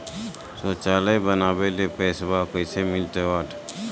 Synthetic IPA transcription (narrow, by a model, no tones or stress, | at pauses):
soːt͡ʃaːləbənaːbelepeːsbakəɪsemɪlt̪eʋaːʈʰ